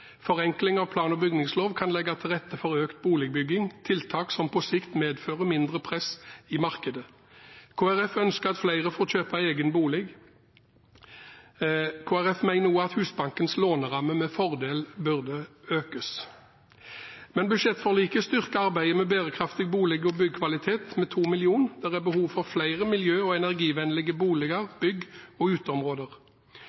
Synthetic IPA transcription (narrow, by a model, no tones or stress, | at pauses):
fɔʁɛŋklɪŋɑʋpʰlɑːnɔbʏɡnɪŋsloːʋkʰɑnlɛɡːɑt̪ʰɪlʁɛt̪ːəfɔʁøːkt̪̚buːlɛɡ̚bʏɡːɪŋt̪ʰɪlt̪ʰɑːksɔmpʰɔsɪkt̪meːd̪føːʁəmɪnd̪ʁəpʰʁɛsɪmɑʁkəd̪ə | kʰoːæʁɛfœnskəʁɑt̪flæɪʁəfoːʁçøːpɑeːɡənbuːlɛɡ | kʰoːæʁɛfmæɪnnuːəɑt̪hʉːsbɑŋkənsloːnəʁɑmːəmɛfɔʁd̪eːlbʉʁd̪əøːkəs | mɛnbʉd̪ʃɛt̪ːfɔʁliːkəst̪ʏʁkəɑʁbæɪəmɛːbeːʁəkʰʁɑft̪ɪɡbuːlɛɡɔbʏɡkʰʋɑlɪt̪ʰeːt̪mɛːt̪ʰuːmɪlɪuːnd̪̥æʁæbəhuːʋfɔʁflæɪʁəmɪljøːɔɛnæʁɡiːʋɛnlɪɡəbuːlɛɡəʁb̥ʏɡɔʉːt̪əɔmʁoːd̪əʁ